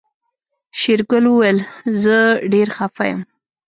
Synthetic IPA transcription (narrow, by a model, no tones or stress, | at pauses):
ʃɪɾkʊlwəwajlzəɖeɾxafajə̰m